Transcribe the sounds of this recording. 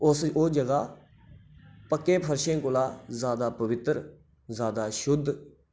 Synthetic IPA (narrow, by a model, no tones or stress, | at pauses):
ʊsoːd͡ʒəɡaː | pəkːẽːpʰəɾʃẽːkʊlaːzaːd̪aːpəʋɪt̪əɾ | zaːd̪aːʃʊd̪ʱː